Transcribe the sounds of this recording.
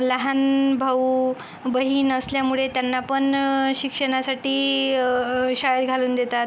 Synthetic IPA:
ləɦanbʱau | bəɦiːnəsljamuɭet̪janːapəɳɕikʂəɽ̃asaʈiː | ɕajəd̪ɡʱaluːnd̪et̪at̪

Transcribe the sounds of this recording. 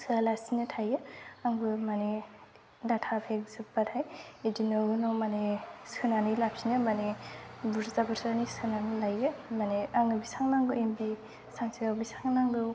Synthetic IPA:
sɯalasinɯtʰajeaŋbɯmane | datʰapʰek̚zɯbatʰajedinɔɡɯnɔmanesɯnanɯlap̚sinɯmanebuɾzabɯɾsanisɯnanɯlajemaneaŋnɯbisaŋnaŋɡɯembi | saŋsʰijawbisaŋnaŋɡɯ

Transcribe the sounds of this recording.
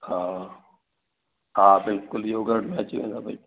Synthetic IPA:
haː | ɦaːbɪlkʊljoːɡəɽmẽɐt͡ɕʋḛ̃ːnd̪aːbɐi

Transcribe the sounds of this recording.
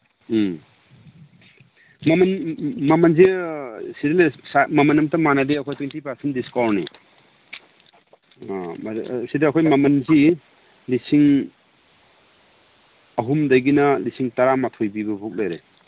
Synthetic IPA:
mɐmɐnmɐmɐnzisidelsamɐmɐnɐmtɐmanaliɐkʰojtwentipaɾsendiskɔɾni | msideɐkʰojmɐmɐnzi | lisiŋ | ɐɦumdajɡinɐlisiŋtaɾamatʰɔjbibɐbʱuk̚lejɾe

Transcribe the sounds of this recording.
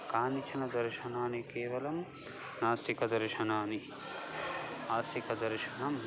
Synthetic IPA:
kaːnit͡ʃʰɐnɐd̪ɐɾʃɐnaːnikeːʋɐlɐm | naːst̪ikɐd̪ɐɾʃɐnaːni | aːst̪ʰikɐd̪ɐɾʃɐnɐm

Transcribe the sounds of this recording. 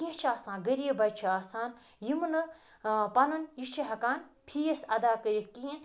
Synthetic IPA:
kiẽt͡ʃʰaːsãːnɡɐɾijebɐt͡ʃʰiaːsaːn | jimnɐ | pɐnɐnjit͡ʃʰiɦɐkaːnpʰijɐsɐd̪aːkɐɾikkĩen

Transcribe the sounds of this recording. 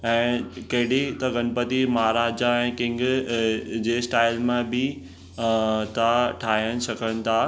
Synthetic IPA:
ɛ̃ːkɐɦɪɽit̪ɐɡɐnpət̪imɐɦaɾaːd͡ʑaɛ̃ːkɪ̃ŋɡ | d͡ʑeːsʈaːɪlmãbɪ | t̪aʈʰaːɦijəñɪ̆sɐkʰəñɪ̆t̪ʰaː

